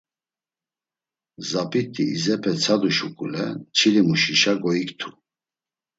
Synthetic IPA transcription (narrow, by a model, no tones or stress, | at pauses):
zapʼit̪ʰʼiizɛpʰɛt͡sʰad̪uʃukʼulɛ̰t͡ʃʰilimuʃiʃaɡɔikt̪ʰu